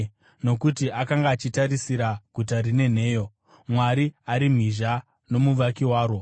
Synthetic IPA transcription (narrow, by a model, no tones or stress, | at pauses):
no̞kutiʔakaŋɡaːt͡ʃitaɾisiɾaɡʱutarine̞n̤e̞ːjo̞ | mwaɾiaɾim̤iʒa | no̞muʋakiwaːɾo̞